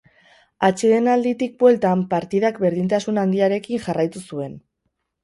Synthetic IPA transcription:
at͡ʃeðe̞nald̪it̪ik̚bwe̞lt̪ampaɾt̪iðakbe̞ɾðint̪asunand̪iaɾe̞kinʝarajt̪usue̞n

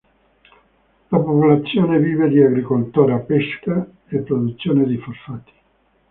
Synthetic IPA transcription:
lapopulat̪sːjoːneviːved̪iaɡɾikolt̪uːɾapeska | epːɾod̪ut̪sːjoːned̪iforfat̪i̥

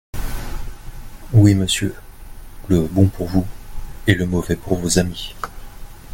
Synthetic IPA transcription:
wiməsjø | ləbɔ̃puʁvuɛləmɔvɛpuʁvozami

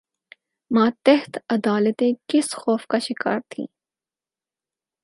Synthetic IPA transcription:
mãːt̪ɛɦt̪ɐd̪aːlət̪ẽkɪsxɔːfkaʃɪka̰ːɾt̪ʰḭ̃ː

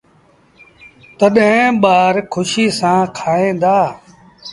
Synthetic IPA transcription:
t̪əɗɦẽɓaːɾkʰʊʃiːsãːkʰaːẽːd̪aː

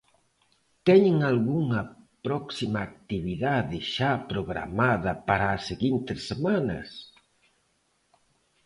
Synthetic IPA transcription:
t̪ɛɲeŋalɣuŋɐpɾɔksimaːk̚t̪iβiðaðɪʃapɾoɣɾa̰maðɐpaɾaːseɣint̪ɪsːemanɐ̰s

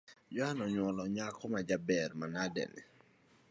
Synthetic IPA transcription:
d͡ʒɔanɔɲwɔlɔɲakɔmad͡ʒabɛrmanadɛ̰nɪ̰

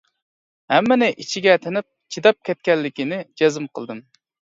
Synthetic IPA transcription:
hɛmːɛnɪʔit͡ʃʰiɡʲɛt̪ʰenɪp̚t͡ʃʰid̪ɑp̚kʲɛt̪̚kʲɛlːɪkʲinɪd͡ʒɛzɨmqʰəlˠd̪ɨm

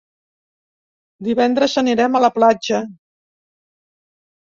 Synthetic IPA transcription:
d̪iβɛnd̪ɾəzəniɾɛmələplad͡ʒə

